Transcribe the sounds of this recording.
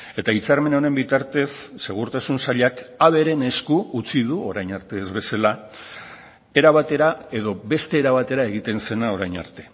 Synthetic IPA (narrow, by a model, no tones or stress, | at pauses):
e̞t̪ait͡saɾme̞naone̞mbit̪aɾt̪e̞sːe̞ɣ̞uɾt̪asunsaʎakaβ̞e̞ɾe̞ne̞skuut͡siðuo̞ɾajɲaɾt̪e̞ːzβe̞sala | e̞ɾaβat̪e̞ɾae̞ðo̞be̞st̪e̞ːɾaβat̪e̞ɾae̞ɣ̞it̪e̞nse̞nao̞ɾajɲa̰ɾt̪e̞̥